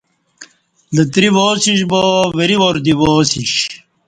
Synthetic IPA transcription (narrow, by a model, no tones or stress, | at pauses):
lɐt̪ɾiʋoːsiɕboʋeɾiʋoɾd̪iʋoːsiɕ